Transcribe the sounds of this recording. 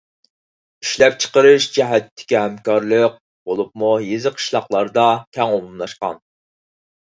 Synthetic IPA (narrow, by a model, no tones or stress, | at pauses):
iʃlɛp̚t͡ʃʰə̥qəɾɨʃd͡ʒɛɦɛt̪ʰːɪ̥kʲiɦɛmkɑɾlˠəq̚ | bolˠup̚mujezɨqʰə̥ʃlˠɑqlˠɑɾd̪ɑkʲʰɛŋomumlˠɑʃqɑ̰n